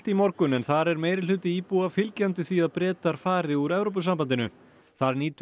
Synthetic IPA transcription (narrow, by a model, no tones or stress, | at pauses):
t̪imɔɾkʏnɛnθaɾɛɾmeːjɾɪlʏt̪ɪiːpuafɪlcant̪ɪθiaðpɾɛːt̪aɾ̥faːɾɪuɾɛvɾoːp̬ʏsampant̪ɪnʏ̰ | θaɾniːt̪